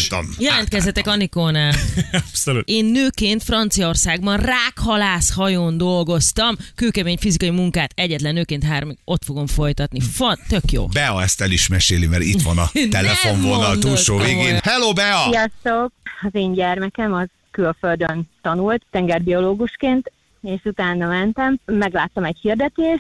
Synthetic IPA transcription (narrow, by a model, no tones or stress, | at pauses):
t̪njɛlɛnt̪̚kɛzd̪ɛt̪ɛkɒnikoːnaːpsolueːnːøːkeːnt̪frɒnt̪sijɒo̞rsaːɡbɒnraːkhɒlaːshɒjoːnd̪o̞lɡo̞st̪ɒmkøːkɛmeːɲfizikɒjimuŋkaːt̪ɛɟːɛt̪lɛnːøːkeːnt̪ɦaːrmio̞t̪foɡo̞ɱfo̞jt̪ɒt̪nifɒt̪ø̞kjo̰ːbɛɒɛst̪ɛliʃmɛʃeːlimɛɾḭt̪ʋɒnɒt̪ɛlɛfoɱvonɒt̪uːlʃoːveːɡeːnhɛloːbɛɒijɒst̪okɒzeːɲɟɛrmɛkɛmɒz̥ | kylføld̪ønt̪ɒnult̪t̪ɛŋɡɛrbio̞loːɡuʃkeːnt̪ | eːʃut̪aːnːɒmɛnt̪ɛmːɛɡlaːt̪ːɒmɛchird̪ɛt̪eːʃ